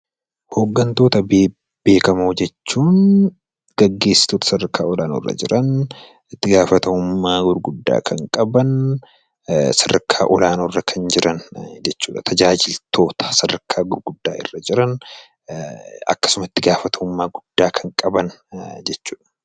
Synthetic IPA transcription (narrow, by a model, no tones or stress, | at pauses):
hoɡːɐnt̪o̞ːt̪ɐbeː | b̥e̞ːkɐmoːd͡ʒɛt͡ʃːuːn | ɡ̥ɐɡːe̞ːsːɪ̥t̪ot̪ɐ̥sɐɾɐkʰːaːɔlaːno̰ːrːɐ̰d͡ʒɪɾʔɐn | ɪt̪ːɪɡaːfɐt̪ɐʊmːaːɡʊɾɡʊd̪ːa̰ːkʰɐŋkʼɐbɐn | sɐdɐkʰːaːʔɔlaːnoːrːɐkʰɐnd͡ʒɪɾʔɐnd͡ʒɛt͡ʃːuːᶑɐt̪ʰɐd͡ʒaːd͡ʒɪlt̪ʰo̞ːt̪ɐ̥sɐɾɐkʰːaːɡʊɾɡʊd̪ːaːʔɪ̰rːɐd͡ʒɪɾɐn | ɐ̰kːɐ̥sʊmɐɪt̪ːɪɡaːfɐt̪ʰɐʊmːaːɡʊd̪̥ːaːkʰɐŋkʼɐbɐnd͡ʒɛt͡ʃːuːᶑɐ̥